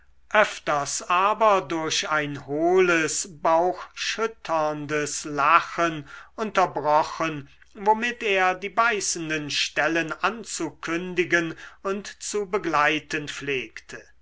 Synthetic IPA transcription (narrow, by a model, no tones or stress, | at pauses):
ʔœftɐsaːbɐdʊɐɕaɪnhoːləsbaʊxʃʏtʰɐndəslaxənʔʊntɐbʁɔχən | vomɪteːɐdiːbaɪsn̩dənʃtɛlənʔant͡sukʰʏndɪɡənʊntt͡subəɡlaɪtənfleːktʰə